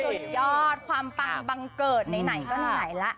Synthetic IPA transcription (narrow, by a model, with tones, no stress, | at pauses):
o˨˩zɔː˧˦t̚xʰwaː˧mfa˧ŋɓa˧˩ŋkəː˨˩t̚nə˨˧˦na˨˩jkɔ˧˦haː˨˩jlaː˧˦˥ʔ